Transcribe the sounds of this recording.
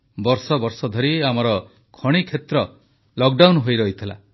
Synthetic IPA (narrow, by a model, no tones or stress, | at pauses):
bɔɾsɔbɔɾsɔd̪ʱɔɾiamɔɾɔ | kʰɔɽ̃ikʰet̪ɾɔ | lɔk̚ɖawnɦojɾɔɦit̪ʰila̰